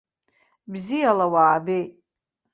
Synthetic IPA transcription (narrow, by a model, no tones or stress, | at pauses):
bzijalawaːbej